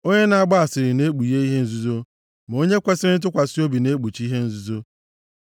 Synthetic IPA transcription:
o˦ɲe˦na˨a˦˨ɡ͡ba˦a˨sɪ˨ɾɪ˨ne˦k͡pu˨je˦i˦ɦe˦n̩˦zu˦zo˦ | m˨o˦ɲe˦kʷe˦sɪ˦ɾɪ˦n̩˦t̬ʊ˦kʷa˨si˦o˦bi˨ne˦k͡pu˨t͡ʃi˦ɦe˦n̩˦zu˦zo˦

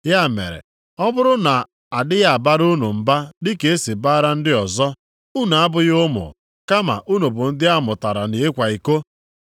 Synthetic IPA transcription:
ja˦˨mḛ˨ɾḛ˨ | ɔ˦bʊ˦ɾʊ˦na˨ | a˨dɪ˦ja˦˨a˨ba˦ɾu˦nu˨m̩˨ba˦dɪ˦ke˨˦e˦si˨ba˦ɾa˦n̩˦dɪ˦ɔ˨zɔ˦ | u˦na˨a˦bʊ˨jʊ˦mʊ̰˨ | ka˦ma̰˨ʔu˦no˨bʊ˨n̩˦dɪ˦a˦mʊ˨ta˨ɾa˨ne˨e˦kʷa˨i˨ko˦

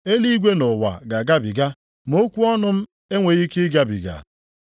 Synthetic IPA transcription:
e˦li˦ɡʷe˦nʊ˨wa̰˨ɡa˨ɡa˦bi˨ɡa˦ | mo˦kʷu˦ɔ˦nʊ˦m̩˦ | e˦ŋʷe˨ɣi˦kɪ˦ɡa˦bḭ˨ɡa̰˨

